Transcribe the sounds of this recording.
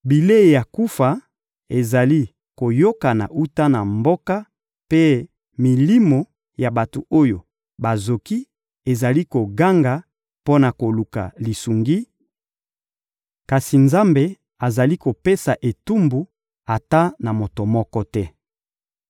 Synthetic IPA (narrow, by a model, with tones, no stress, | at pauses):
bi˨le˦e˨ja˨ku˦fa˨ | e˨za˨li˦ | ko˨jo˦ka˨na̰˨ʔu˦ta˦na˨mbo˦ka˦ | pe˦ | mi˨li˦mo˨ | ja˨ba˨to˨o˦jo˨ | ba˨zo˨ki˦ | e˨za˨li˦ko˨ɡa˦ŋɡa˨ | po˦na˨ko˨lu˨ka̰˨li˨su˨ŋɡi˦ | ka˨si˨nza˦mbe˨ | a˨za˨li˦ko˨pe˦sa˨ʔe˨tu˦mbu˨ | a˨ta˦na˨mo˨to˨mɔ˦kɔ˦tɛ˦